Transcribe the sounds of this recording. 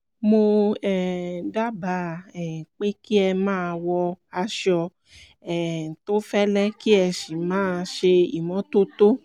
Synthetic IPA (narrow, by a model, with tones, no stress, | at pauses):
mo˧ɛ˨da˦ba˨˦ɛ˨k͡pe˦ki˦ɛ˧mãː˦˧wɔ˧a˧ʃɔ˧ | ɛ˦˨to˦fɛ˦lɛ˦ki˦ɛ˧ʃi˨mãː˦˧ʃe˧i˨mɔ̃˨˦to˦to˦